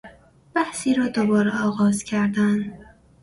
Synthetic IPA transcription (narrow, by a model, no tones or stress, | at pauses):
b̥æhsiːɾɒːd̪obɒːɾeɒːɣɒːzcʰæɾd̪æn